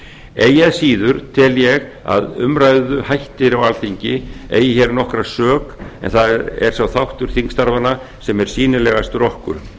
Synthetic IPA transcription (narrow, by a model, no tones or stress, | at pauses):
eːjaðsiːðʏɾ̥t̪ʰɪljɛɣa̰ðʏmrajðʏhajht̪ɪɾawalθiɲcɪḛːjɪçɛɾnɔhkɾasœːkɛ̰nθaðɛ̰ɾ̥svawθawht̪ʏɾ̥θiŋkst̪aɾvana | sɛmɛɾ̥siːnɪlɛɣast̪rɔhkʏ̰ɾ̥